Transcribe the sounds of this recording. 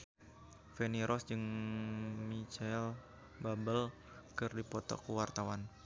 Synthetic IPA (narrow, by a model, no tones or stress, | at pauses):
fɛniɾʔɔsd͡ʒɨŋ | mit͡ʃal | babəl | kɨrdipɔt̪ɔ̰kuwart̪awan